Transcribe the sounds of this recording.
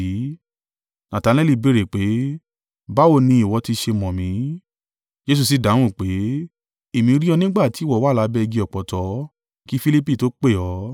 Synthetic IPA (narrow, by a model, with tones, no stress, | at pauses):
i˨˦ | nã˨ta˨˧nɛ˦li˦˧be˨˧˨ɾe˨k͡pe˨˦ | ba˨˦o˧˨nĩ˧˦i˨wɔ˨˧˦ti˧ʃe˧mɔ̃˨mĩ˨˦ | d͡ʒe˧s̬u˧˨s̬i˨˦dã˨˦ũ˦˨k͡pe˨˦ | e˦˨mĩ˧ɾi˦ɔ˧nĩ˦ɡ͡ba˦˨ti˨˦wɔ˦˨wa˨˦la˨˧˦bɛ˦˧ɡi˧ɔ˨k͡pɔ˨tɔ˨˦ | ki˦fi˧˦li˦p̬i˦˨to˨˦k͡pe˦˨ɔ˨˦